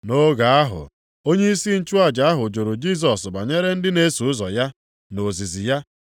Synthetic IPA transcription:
no˦ɡa˨a˦ɦʊ̰˨ | o˦ɲe˦i˦si˦n̩˦t͡ʃu˦a˦d͡ʒa˨a˦ɦʊ˨d͡ʒo˨ɾʊ˨d͡ʒi˦˨s̬ɔ˨sɡ͡ba˨ɲe˦ɾe˦n̩˦dɪ˦ne˦su˨ʊ˦zɔ˨ja˦ | no˨zi˨zi˨ja˦

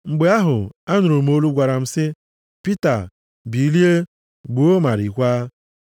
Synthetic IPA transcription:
ŋ͡m̩˨ɡ͡be˨˦a˦ɦʊ˨a˦nʊ˨ɾo˨m̩˦o˦lu˦ɡʷa˨ɾa˨m̩˦sɪ˦ | pi˦ta˨ | bi˨li˦e˦ | ɡ͡bu˨o˦ma˨ɾi˨kʷaː˦

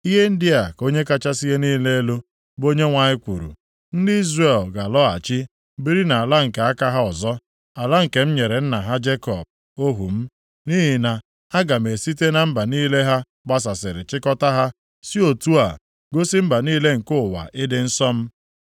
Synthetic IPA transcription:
i˦ɦe˦n̩˦dɪ˦a˨ko˦ɲe˦ka˦t͡ʃa˦si˦ɦe˦niː˦le˦e˦lo˦ | bo˦ɲe˦ŋʷa˨ɲɪ˦kʷṵ˨ɾṵ˨ | n̩˦dɪ˦i˦zre˦˨lɡa˨lɔ˦a̰˨t͡ʃɪ˦ | bi˦ɾi˦na˨a˨la˦ŋ̩˨ke˨a˦ka˦ɦa˦ɔ˨zɔ˦ | a˨la˦ŋ̩˨ke˨m̩˦ɲe˨ɾe˨n̩˦na˨ɦa˦d͡ʒe˦kɔ̰˨b̚ | o˦ɦṵ˨m̩˦ | ni˦ɦi˨na˨ | a˦ɡa˨me˨si˦t̬e˦na˨m̩˦ba˨niː˦le˦ɦa˦ | ɡ͡ba˦s̬a˨sɪ˨ɾɪ˨t͡ʃɪ˦kɔ˦ta˦ɦa˦ | si˦o˨tu˦a˨ | ɡo˦si˦m̩˦ba˨niː˦le˦ŋ̩˨kʊ˦˨wa̰˨ʔɪ˦dɪ˦n̩˦sɔ˦m̩˦

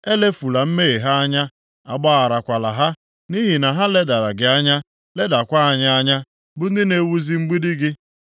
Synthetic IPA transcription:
e˦le˦fu˨la˨m̩˦me˦e˨ɦa˦a˦ɲa˦ | a̰˨ɡ͡bɔ˦a˨ɾa˨kʷa˨la˨ɦa˦ | ni˦ɦi˨na˨ɦa˦le˦da˨ɾa˨ɡɪ˨a˦ɲa˦ | le˦da˨kʷa˦a˨ɲa˦a˦ɲa˦ | bʊ˨n̩˦dɪ˦ne˦wu˦zi˦ŋ͡m̩˦ɡ͡bi˦di˦ɡɪ˦

